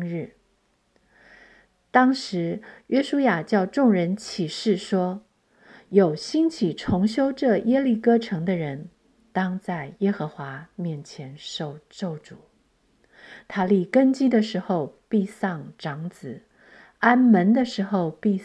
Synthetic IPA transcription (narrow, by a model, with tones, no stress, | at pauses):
ɻ̩˥˩ | t̪ɑ˥ŋʂɻ̩˧˥ɥɛ˥ʂu˥ja˨˩t͡ɕjɑ˥˧ʊʈ͡ʂʊ˥˩ŋɻə˧˥nt͡ɕʰi˨˩ʂɻ̩˥˩ʂwɔ˥ | jo˨˩ʊɕi˥nt͡ɕʰi˨˩ʈ͡ʂʰʊ˧˥ŋɕjo˥ʊʈ͡ʂɤ˥˩jɛ˥li˥˩kɤ˥ʈ͡ʂʰɤ˧˥ŋd̪ə˧ɻə˧˦˥n | t̪ɑ˥ŋt͡sa˥˩ɪjɛ˥xɤ˧˥xwa˧˥˦mjɛ˥˩nt͡ɕʰjɛ˧˥nʂo˥˧ʊʈ͡ʂo˥˩ʊʈ͡ʂu˨˩˦ | t̪ʰa˥li˥˩kə˥nt͡ɕi˥d̪ə˨ʂɻ̩˧˥xo˥˧ʊpi˥˧sɑ˥˩ŋʈ͡ʂɑ˧˥ŋt͡sɹ̩˨˩˦ | a˥nmə˧˥nd̪ə˧ʂɻ̩˧˥xo˥˧ʊpi˥˧